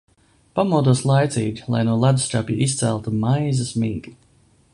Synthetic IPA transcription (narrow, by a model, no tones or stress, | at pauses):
pamɔd̪uɔslˠajt̪siːɡʲilˠa̰jnuɔlˠad̪ust̪apjuʔist̪sælˠt̪umajzɐsmiːɡi